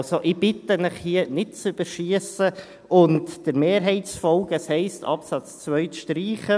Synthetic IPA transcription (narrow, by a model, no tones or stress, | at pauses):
soʔɪb̥ɪtənɪχhiənɪt̚t͡syb̥əʃiəsə | ʊntd̥əɾmeːɾɦɛɪtt͡sfɔlɡəshɛɪstʰɑ̰psɑt͡st͡svœʏtʃtɾiːχə